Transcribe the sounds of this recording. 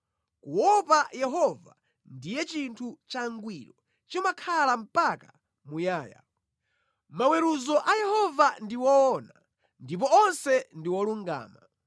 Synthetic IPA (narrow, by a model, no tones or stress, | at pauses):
kuwɔpajɛɦɔva̰ | ndijɛt͡ʃintʰut͡ʃaŋɡwiɾɔ | t͡ʃimakʰalam̩paka | mujaːja̰ | mawɛɾuzɔʔajɛhɔvandiwɔɔna | ndip̬ɔɔnsɛndiwɔluŋɡa̰ːma